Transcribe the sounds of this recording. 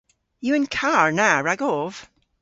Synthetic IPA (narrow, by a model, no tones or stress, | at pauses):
jɨɨ̃nkʰaɹnaɹaɡɔv̥